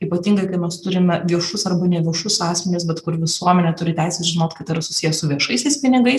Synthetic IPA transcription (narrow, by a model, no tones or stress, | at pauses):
iːpɐt̪ʲiːŋɡɐɪkɐɪmʲɛst̪ʊɾʲɪmʲɛʋʲiɛʃʊsɐrbɐnʲɛʋʲiɛʃʊsɑːsʲmʲɛnʲɪsbʲɛt̪kʊɾʋʲɪsuɔmʲɛnʲɛt̪ʊɾʲɪt̪ʲæɪsʲɛsʒʲɪnoːt̪kɐt̪ɪɾɐsʊsʲijɛsʊʋʲiɛʃɐɪsʲɛɪspʲɪnʲɪɡɐɪs